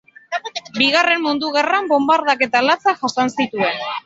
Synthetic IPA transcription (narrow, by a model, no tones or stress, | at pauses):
biɣare̞mmund̪uɣ̞erambo̞mbaɾðake̞t̪alat͡saʝasansit̪ue̞n